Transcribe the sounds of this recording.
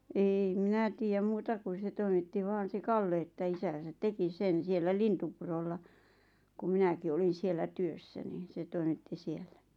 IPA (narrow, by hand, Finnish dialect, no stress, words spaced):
eːi minæ tiːjæm muːtɑ kun̞ se toimitːi ʋɑːn̞ se kɑlːe etːæ isæn̞sæt teki sen sielːæ lintupurolːɑ kum̆ minæki olin̞ sielːæ tyøsːæ niːn̞ se toimitːi sielːæ